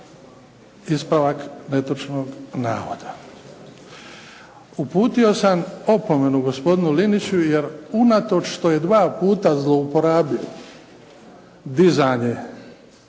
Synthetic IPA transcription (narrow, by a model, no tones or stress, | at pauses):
ispɾaʋakne̞t̪ot͡ʃno̞ɡna̰ːʋo̰d̪̥a | upuːt̪io̞samo̞po̞me̞nuɡo̞spo̞d̪inulinit͡ɕujeɾunat̪o̞t͡ʃʃt̪o̞je̞d̪ʋaːpuːt̪azlˠo̞upo̞ɾaːbio | d̪izaɲe